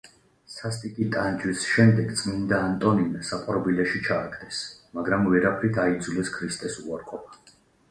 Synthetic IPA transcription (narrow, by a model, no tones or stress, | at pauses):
sast̪ʼikʼit̪ʼand͡ʒwisʃɛmd̪ɛɡt̪sʼmind̪aːnt̪ʼɔninsapʼɔɾbilɛʃit͡ʃʰaːkʰd̪ɛsmaɡɾamvɛɾapʰɾid̪aid̪zulɛskʰɾist̪ʼɛsuaɾqʼɔpʰḁ